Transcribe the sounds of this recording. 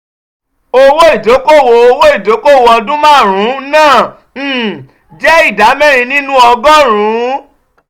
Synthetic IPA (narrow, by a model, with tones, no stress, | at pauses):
o˧wo˦i˦˨d͡ʒo˨˦ko˦˨wo˧˨o˧wo˦i˦˨d͡ʒo˨˦ko˦˨wo˧ɔ˧dũ˦mãː˦˨ɾ̃ũ˨˦nãː˦˨ | d͡ʒɛ˦i˦˨da˨˦mɛ˦ɾ̃ĩ˧nĩ˦nũ˦ɔ˧ɡɔ̃˦ɾ̃ũ˨˦